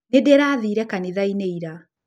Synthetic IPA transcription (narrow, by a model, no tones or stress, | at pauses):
nedɛɾaðiːɾɛkaniðaineiɾa